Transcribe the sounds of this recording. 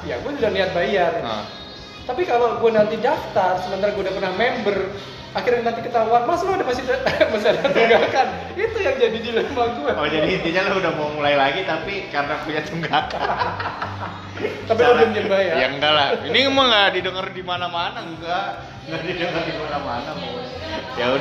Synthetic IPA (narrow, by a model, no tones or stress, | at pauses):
jaɡuaɲudnliɦat̪̚bajar̰ | t̪apikaloɡuanant̪idaft̪arsəmənt̪aɾaɡuaudahpərnahmɛmbər | akɪrɲanant̪̬ikət̪auanmaslaudahmasit̪masialat̪uŋɡakan | it̪ujaŋd͡ʒadidilamaɡuaod͡ʒadiɦint̪iɲalahudahmomulailaɡit̪apikaɾənapuɲatuŋɡaka | t̪ap̬iaamɲambajajaŋɡalainimaŋɡadidəŋərdimanamanaɡuɡa | ŋɡaʔdidəŋərdimanamanamu | jau